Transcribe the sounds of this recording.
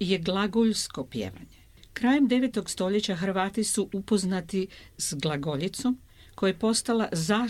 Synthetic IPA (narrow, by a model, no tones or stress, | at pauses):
je̞ɡlˠaɡoʎsko̞pjḛːʋa̰ɲe | kɾaːjemd̪e̞ʋet̪o̞ɡst̪o̞ʎe̞t͡ɕaxɾʋaːt̪isuʔupo̞znat̪isɡlˠaɡoʎit̪so̞m | ko̞jepo̞st̪alazaː